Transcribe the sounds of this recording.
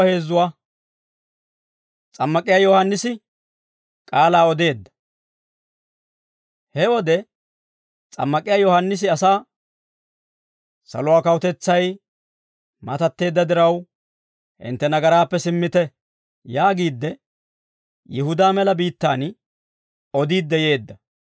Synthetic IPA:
he̞ːzːʊwaː | t͡sʼɐmːɐkʼɪjaːjɔhɐnːɪsɪ | kʼaːlaːɔd̪e̞ːd̪ːɐ̥ | hɛwɔd̪ɛ | t͡sʼɐ̰mːɐkʼɪjaːjɔhɐnːɪs̬ɪɐsaː | sɐ̰lɔʊwaːkɐwʊt̪ɛt͡sːɐj | mɐt̪ɐt̪ːe̞ːd̪ːɐd̪ɪɾɐw | ʔɪ̰nt̪ːɛnɐɡɐɾaːpːɛsɪmːɪt̪ɛ | jaːɡiːd̪ːɛ | jɪhʊd̪aːmɛlɐbiːt̪ːaːn | ɔd̪iːd̪ːɛje̞ːd̪ːɐ

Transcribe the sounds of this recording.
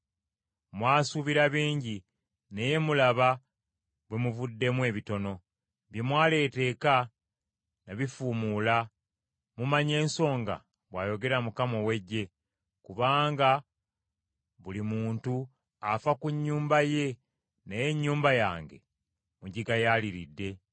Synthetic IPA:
mwaːsuβiɾaβiːɲɟi | neje̞mulaβa | βwemuvudːe̞mwe̞ːβito̞no̞ | βjemwaːle̞ːte̞ːka | naβifumula | mumaɲe̞ːnso̞ːŋɡa̰ | βwaːjo̞ɡe̞ɾamukamo̞we̞ɟːe̞ | kuβaːŋɡa | βulimuːntu | afakuɲːuːmbaje̞ | neje̞ɲːuːmbajaːŋɡe̞̰ | muɲɟiɡajaːliɾḭdːe̞

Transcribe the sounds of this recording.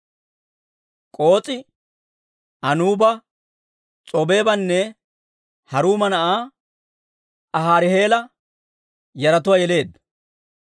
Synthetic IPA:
kʼo̞ːt͡sʼɪ | ɐnuːbɐ | t͡sʼɔbe̞ːbɐnːɛ | hɐɾuːmɐnɐʔaː | ɐɦaːɾɪhe̞ːlɐ | jɐɾɐt̪ʊwɐːjɛle̞ːd̪ɐ

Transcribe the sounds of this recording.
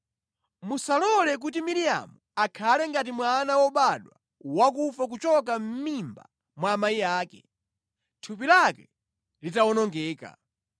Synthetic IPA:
musalɔlɛk̬utimiɾija̰muakʰalɛŋɡatimwanawɔɓaɗwa | wak̬ufak̬ut͡ʃɔk̬am̩mimba̰ | mwaːmaiaːkɛ̰ | tʰupilakɛ | litawɔnɔŋɡɛːka̰

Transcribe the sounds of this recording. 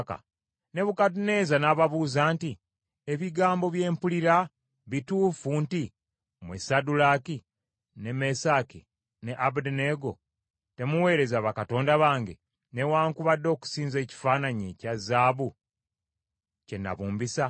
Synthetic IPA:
ka̰ | ne̞βukatune̞ːzanaːβaβuːzaːnti | eβiɡaːmbo̞βje̞ːmpuliɾa | βituːfunti | mwesadulaːki | ne̞me̞saːki | ne̞ʔabudne̞ɡo̞ | te̞muwe̞ːɾe̞zaːβakato̞ːndaβaːŋɡe̞̰ | ne̞waːŋkuβadːo̞ːku̥siːnze̞ːci̥faːnaɲecazaːβu | ce̞nːa̰βuːmbisa

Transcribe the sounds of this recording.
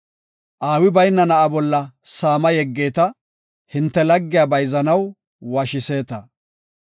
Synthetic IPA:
ʔaːwɪbɐjnːɐnɐʔɐbɔlːɐsaːmɐjɛɡːeːt̪ɐ | hɪnt̪ːɛlɐɡːɪjaːbɐjzɐnɐw | waːʃɪse̞ːt̪ɐ

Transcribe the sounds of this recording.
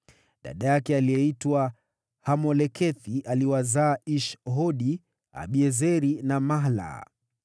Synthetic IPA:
ɗa̰ɗajakɛaliɛitwa | hamɔlɛkʰɛθiʔaliwazaːiʃɦɔɗi | a̰ɓiɛzɛɾinamaɦla̰

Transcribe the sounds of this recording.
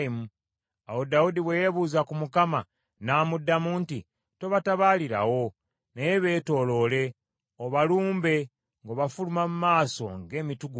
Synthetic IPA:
mu | awo̞daudiβwejeβuːzakumukama | naːmudːamuːnti | to̞βataβaːliɾa̰wo̞ | nejeβe̞ːto̞lo̞ːle̞ | oβaluːmbe̞ | ŋɡoβafulumamumaːso̞̰ŋɡe̞ːmituɡu

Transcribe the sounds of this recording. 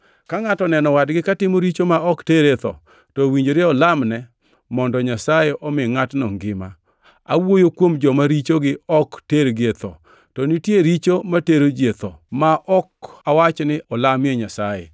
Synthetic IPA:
kaŋatɔnɛnɔwadɡɪkatɪmoɾit͡ʃomaɔkteɾet̪ɔ̰ | tɔwiɲd͡ʒoɾɪɔlamnɛ | mɔndɔɲasajeʔɔmɪŋatnɔŋɡɪma̰ | a̰wojokwomd͡ʒɔmaɾit͡ʃoɡɪɔkteɾɡet̪ɔ̰ | tɔnɪtjeɾit͡ʃomateɾod͡ʒet̪ɔmaʔɔkawat͡ʃnɪʔɔlamjeɲasajḛ

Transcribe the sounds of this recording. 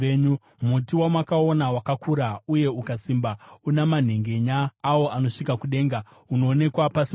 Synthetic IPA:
eɲu | m̤utiwamwakao̞nawakakʰuɾauje̞ukasimbaunaman̤e̞ŋɡe̞ɲaːwo̞ʔano̞ʂikakuɗe̞ːŋɡa | uno̞ːne̞kwapasi

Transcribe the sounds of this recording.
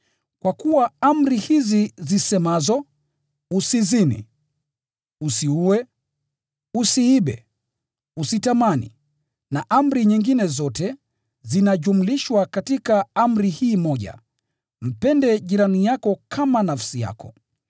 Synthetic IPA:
kwakuwaam̩ɾihizizisɛmazɔ | usizinḭ | usiuwɛ | usiiɓɛ̰ | usitamanḭ | naʔam̩ɾiɲiŋɡinɛzɔtɛ | zinaʄum̩liʃwakatikaam̩ɾihiːmɔʄa̰ | m̩pɛndɛʄiɾanijakɔkʰamanafsija̰kɔ̰

